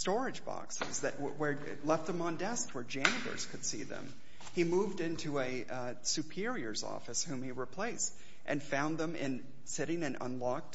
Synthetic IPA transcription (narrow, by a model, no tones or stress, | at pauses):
stɔɹɨd͡ʒbɑ̰ksɪ̰zðɨʔ̚wwə˞ | lɛft̪̚ðə̃mə̃ndɛsk̚t̚wə˞d͡ʒæ̃ndə̰˞z̥kʰɨd̥sḭðə̰̃m | imuvdɪ̃ntʰʉɨ | sʉpʰɪɹiə˞zɔ̰fɨshũmiɹɨpʰl̥eɪst̚ | ʔɨ̰̃nfãʊ̃nðə̃mɪ̰̃n | sɪɾɪ̃ŋɨ̃nʔə̰̃nlɑk̚t